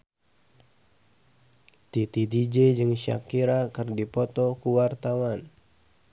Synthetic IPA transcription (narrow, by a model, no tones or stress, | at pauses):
t̪it̪it̪id͡ʒed͡ʒɨŋʃa̰kiɾakɨrdipɔt̪ɔkuwart̪awan